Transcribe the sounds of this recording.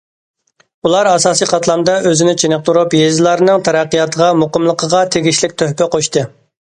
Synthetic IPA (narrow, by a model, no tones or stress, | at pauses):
ulˠɑɾɑsɑːsiqʰɑt̪ʰlˠɑmd̪ɑʔøzɪnɪt͡ʃʰenəq̚t̪uɾupjezɪlˠɑɾnɨŋt̪ʰɛɾæqːijɑt̪ʰəʁɑmoqəmlˠəqʰəʁɑt̪ʰeɡʲiʃlɪk̚ʲt̪ʰøhpɛqʰoʃt̪ɨ